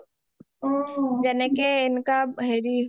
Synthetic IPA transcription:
d͡ʒɛnekeɪnkaɦeɾi

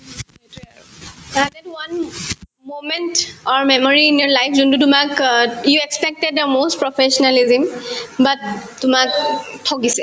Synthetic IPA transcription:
adɛtwan | momɛ̃ntɔɹmɛmɔɹiːnjɔɹlajfʰzuntutʊmakjuɛkspɛk̚tɛd̚dəmost̚pɹɔfʰɛʃɔnalizimbatːʊmaktʰɔkisɛ

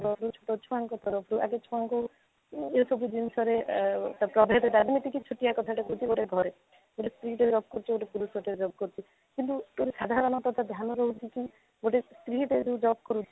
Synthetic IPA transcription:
ɔɾɔpʰɾut͡ʃʰo̥ʈɔt͡ʃʰɔaŋkɔt̪ɔɾɔpʰɾuʔa̰ɡet͡ʃʰɔaŋku | esɔbʱud͡ʒinisɔɾet̪apɾɔbʱeɾed̪aɾmit̪ikit͡ʃʰuʈiakɔt̪ʰaʈekout͡ʃʰiɡoʈeɡʱɔɾe | ɡoʈest̪ɾiʈed͡ʒɔb̚kɔɾut͡ʃʰiɡoʈepuɾusɔʈeɾed͡ʒɔb̚kɔɾut͡ʃʰi | kint̪ut̪oɾesad̪ʱaɾɔñɔt̪ɔt̪ʰad̪ʱjanɔɾɔɦut͡ʃʰiki | ɡoʈest̪ɾiʈed͡ʒud͡ʒɔb̚kɔɾut͡ʃʰi

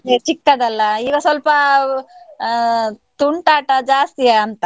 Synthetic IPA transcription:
et͡ʃikːɐd̪ɐlːɐiːɡɐsʋɐlpɐ | t̪uɳʈaːʈɐd͡ʒaːst̪ieɐnt̪ɐ

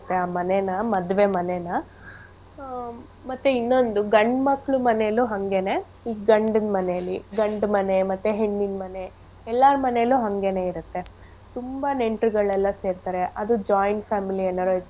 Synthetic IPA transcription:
t̪ːeaːmɐnenɐmɐd̪ʋe̞mɐnenɐ | mɐt̪ːeinːo̞nd̪uɡɐɳɖmɐkːɭumɐneluɦɐŋɡe̞ne̞ | iːɡɐɳɖɐnmɐnejɐlːiɡɐɳɖmɐne̞mɐt̪ːeɦeɳːinmɐne̞ | ɛlːaɾmɐneluːɦɐŋɡe̞ne̞ːiɾut̪ːe̞ | t̪umbɐne̞ɳʈɾuɡɐɭɛlːɐse̞ːɾt̪aːɾe̞ʔɐd̪ud͡ʒaːjɳʈpʰaːmilienːɐɾot̪

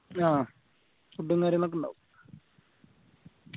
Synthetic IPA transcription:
aː | uʈːuŋkaːɾjɐnok̬ːuɳɖa̰ːʋu

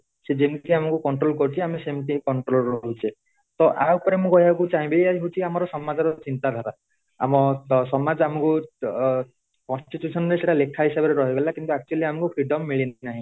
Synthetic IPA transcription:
sed͡ʒemkiamɔ̃ŋkukɔɳʈɾolkɔɾut͡ʃʰiamesemʈikɔɳʈɾolɾɔɦut͡ʃʰe | t̪ɔʔawpɔɾemũkɔɦiakut͡ʃaɦĩbeaɦiɦut͡ʃʰiamɔɾɔsɔmad͡ʒɔɾɔt͡ʃint̪ad̪ʱaɾa | a̰mɔsɔmad͡ʒamɔ̃ku | kɔnsʈiʈjusɔnɔɾeseʈalekʰaɦisabɔɾeɾɔɦibelakint̪uak̚t͡ʃualiamɔ̃kupʰɾiɖɔmːiɭinnaɦĩ

